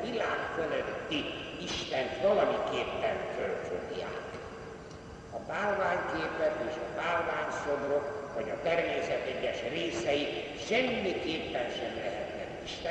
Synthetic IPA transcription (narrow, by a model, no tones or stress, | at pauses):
vilaːkføløt̪ːiiʃt̪ɛnt̪ʋɒlɒmikeːpːɛɱfølføt̪ia̰ːt̪ | ɒbaːlvaːɲkeːpɛt̪eːʃɒbaːlvaːɲsobrokvɒɟɒt̪ɛrmeːsɛt̪ɛɟːɛʃreːsɛji | ʃɛmːikeːpːɛnʃɛmlɛɦɛt̪nɛtːiʃt̪ɛ